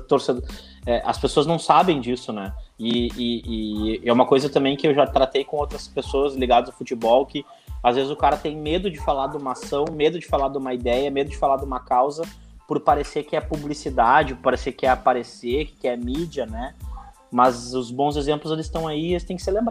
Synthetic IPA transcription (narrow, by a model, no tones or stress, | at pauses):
t̪oɾsed̪ | ɛʔɐ̰spesoɐznɐ̃w̃sabẽj̃d͡ʒisʊnɛɪɪɪɛumɐkojzɐt̪ɐ̃mbẽj̃kɪewʒat̪ɾat̪ejkõowt̪ɾɐspesoɐzliɡad̪ɐʊzawfut͡ʃibɔwkɪ | azvezɪzʊkaɾɐt̪ẽj̃med̪ʊd͡ʒɪfalad̪ũmasɐ̃w̃med̪ʊd͡ʒɪfalad̪ũmɐid̪ɛjɐmed̪ʊd͡ʒɪfalad̪ũmɐkawzɐ | pʊɾpaɾeseɾkɪɛpublisid̪ad͡ʒɪpaɾeseɾkɪɛpaɾeseɾkɪkɪɛmid͡ʒɐnɛ | mɐzʊzbõw̃zezẽmplʊzelɪsɪst̪ɐ̃w̃aiest̪ẽj̃kɪ̥seɾlẽmbɾa